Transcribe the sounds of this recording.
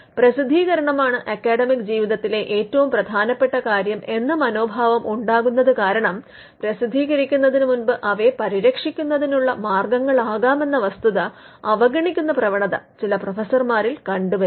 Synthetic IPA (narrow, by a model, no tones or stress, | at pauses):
prɐsid̪ʱːiːɣɐɾɐɳɐmaːɳɨʔɐkːaːɽɐmikd͡ʑiːʋiðɐt̪ːile̞ʔeːtːɐʋumprɐd̪ʱaːnɐpːeʈːɐkaːɾjɐme̞nːɐmɐno̞ːbʱaːʋɐmʔuɳɖaːɣunːɐðɨkaːɾɐɳɐm | prɐsid̪ʱːiːɣɐɾikʲːunːɐðinɨmunbɨʔɐʋe̞pɐɾiɾɐkʂikʲːunːɐðinuɭːɐmaːrɡɐŋːɐɭaːɣaːme̞nːɐʋɐst̪uðɐ | ɐʋɐɡɐɳikʲːunːɐprɐʋɐɳɐðɐt͡ɕilɐprofesɐrmaːɾilkɐɳɖuʋɐɾ